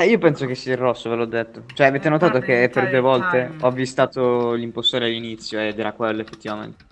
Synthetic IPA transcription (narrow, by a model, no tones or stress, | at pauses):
ɛiːopɛnsok̟esːiairːɔsːovelɔd̪ːet̪ːot͡ʃoɛaveːt̪enot̪aːt̪okeperd̪uevɔlt̪eɔvːist̪aːt̪olimpost̪oːɾealːinit̪sːjoed̪ɛːɾakwelːoefːet̪ːivamḛnt̪e̥